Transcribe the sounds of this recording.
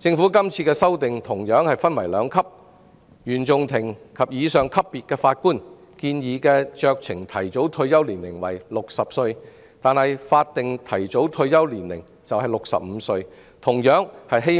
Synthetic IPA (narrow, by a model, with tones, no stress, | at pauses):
t͡sɪ˧ŋfu˨˥kɐ˥mt͡sʰiː˧kɛː˧sɐ˥wt̪ɪ˨ŋt̪ʰʊ˨˩ŋjœː˨˥ŋhɐ˨jfɐ˥nwɐ˨˩jlœː˨˧ŋkʰɐ˥p̚ | jyː˨˩nt͡sʊ˨ŋt̪ʰɪ˨˩ŋkʰɐ˨p̚jiː˨˧sœː˨ŋkʰɐ˥pːiː˨t̚kɛː˧faː˧t̚kuː˥n | kiː˧njiː˨˧kɛː˧t͡ʃœː˧k̚t͡sʰɪ˨˩ŋt̪ʰɐ˨˩jt͡so˨˥wt̪ʰɵ˧ɥjɐ˥wliː˨˩nlɪ˨˩ŋwɐ̰˨˩jlʊ˨k̚sɐ˨p̚sɵ˧ɥ | t̪aː˨nhɐ˨jfaː˧t̚t̪ɪ˨ŋt̪ʰɐ˨˩jt͡so˨˥wt̪ʰɵ˧ɥjɐ˥wliː˨˩nlɪ˨˩ŋ | t͡sɐ˨whɐ˨jlʊ˨k̚sɐ̰˨p̚m̩ː˨˧sɵ˧ɥ | t̪ʰʊ˨˩ŋjœː˨˥ŋhɐ˨jɦe˥